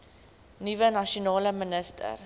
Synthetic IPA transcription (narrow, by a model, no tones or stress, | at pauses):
nivənɐʃonɑːləmənəstʰə̰r